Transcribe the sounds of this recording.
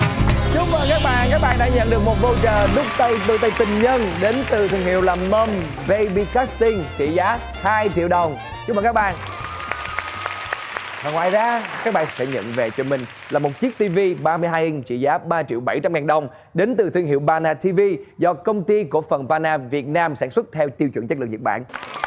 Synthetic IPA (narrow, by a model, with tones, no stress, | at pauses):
t͡ɕʊ˨˦˥ŋ͡m̚vəː˨˩kaː˦˥k̚ɓa̰ː˧˨nkaː˦˥k̚ɓaː˧˨nɗa̰ː˧˥˦ɲə̰˧˨nɗɨ˨˩ək̚mo˨˩t̚vo˧t͡ɕəː˨˩ɗʊ˦˥k͡p̚t̪ə˧jt̪ɨ˧˩t̪ə˧jt̪ï˨˩ŋ̟ɲə˧nɗe˨˦nt̪ɨ˨˩t̪ʰi˧əŋhi˧˨əwlaː˨˩mə˧m | ve˧jɓi˧ka˦˥st̪i˧ŋt͡ɕḭ˧˨zaː˨˦ | haː˧jt͡ɕḭ˧əwɗə˨˩wŋ͡m | t͡ɕʊ˦˥mvəː˨˩kaː˦˥ɓa̰ː˧˨n | vaː˨˩ŋwaː˧˨˩jzaː˨˦kaː˦˥k̚ɓa̰ː˨˩n˧sə̰˧˩ɲə̰˧˨nve˨˩t͡ɕɔ˧˩mï˨˩ŋ̟ | laː˨˩mo˨˩t̚t͡ɕi˦˥k̚t̪i˧vi˧ɓaː˧mɨ˧əjɦaː˧jʔi˧ŋ̟t͡ɕḭ˧˨zaː˨˦ɓaː˧t͡ɕḭ˧˨əwɓa˧˩jt͡ɕa˧mŋaː˨˩nɗə˨˩wŋ͡m | ɗe˨˦nt̪ɨ˨˩t̪ʰi˧əŋhḭ˧˨əwɓaː˧naː˧t̪ʰi˧vi˧zɔ˧kə˧wŋ͡mt̪i˧ku˧˩əfə˨˩nvaː˧naː˧vi˨˩ət̚naː˧msaː˧˩nswə˦˥t̚t̪ʰɛ˧wt̪i˧wt͡ɕw̰ŋt͡ɕklɨ̰˨ŋɲə˨˩k̚ɓa̰ː˧˨n